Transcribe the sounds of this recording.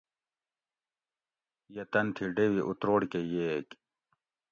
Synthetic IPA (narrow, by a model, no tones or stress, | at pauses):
jɐt̪ɐnt̪ʰiɖewiʔut̪ɾoːɽkejek